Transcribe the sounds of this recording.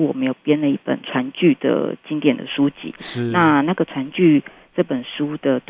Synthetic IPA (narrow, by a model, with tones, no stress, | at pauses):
wɔ˨˩mə˧˦˥jo˨˩ʊpjɛ˥nlə˨i˥˩pə̰˨˩nʈ͡ʂʰwa˧˥nt͡ɕy˥˩d̪̥ə̰˩t͡ɕi˥ŋt̪jɛ˨˩nd̪ə̰˨ʂu˦˥t͡ɕḭ˨˦na˥˧na˥˩ɡə˩t͡sʰwa˧˥nt͡ɕy˥˩ | ʈ͡ʂɤ˥˩pə˨˩nʂu˥d̪̥ə˨t̪w